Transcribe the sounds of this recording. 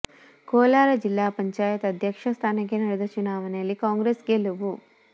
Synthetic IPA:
koːlaːɾɐd͡ʒilːaːpɐɲt͡ʃaːjɐt̪ɐd̪ʱjɐkʂɐst̪ʰaːnɐk̬ːenɐɽed̪ɐt͡ʃunaːʋɐnejɐlːikaːŋɡɾeːsɡeluʋu

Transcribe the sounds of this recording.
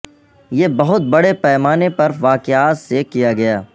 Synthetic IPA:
jeːbɐɦʊt̪̚bɐɽepɛːmaːnepɐɾʋaːkeaːt̪sekijaɡɐjaː

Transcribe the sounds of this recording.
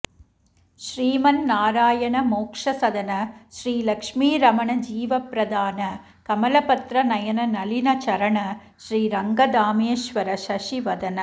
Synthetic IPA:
ʃɾiːmɐnnaːɾaːjɐɳɐmoːkʂɐsɐd̪ɐnɐʃɾiːlɐkʂmiːɾɐmɐɳɐd͡ʒiːʋɐpɾɐd̪aːnɐ | kɐmɐlɐpɐt̪ɾɐnɐjɐnɐnɐlinɐt͡ʃɐɾɐɳɐ | ʃɾiːɾɐŋɡɐd̪aːmeːʃʋɐɾɐʃɐʂiʋɐd̪ɐnɐ

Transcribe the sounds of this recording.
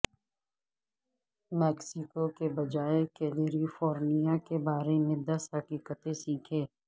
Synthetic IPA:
mɛːksɪkokebɐd͡ʒaːekeːleːɾifɔːɾmijakebaːɾemẽd̪ɐsɦɐkiːkət̪ẽsiːkʰẽː

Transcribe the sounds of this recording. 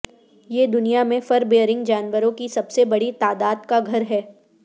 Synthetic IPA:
jeːd̪ʊnijamẽfɐɾbeːəɾɪ̃ŋɡd͡ʒaːnʋəɾõkisɐbsebɐɽit̪aːd̪aːd̪kaɡʱɐɾɦɛː

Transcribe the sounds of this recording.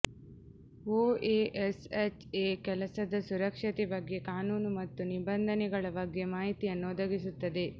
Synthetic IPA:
oːeːʔeset͡ʃeːkɛlɐsɐd̪ɐsuɾɐkʂɐt̪ɛbɐɡːe̞kaːnuːnumɐt̪ːunibɐnd̪ʱɐnɛɡɐɭɐbɐɡːemaːɦit̪ijɐnːuɔd̪ɐɡisut̪ːɐd̪e̞

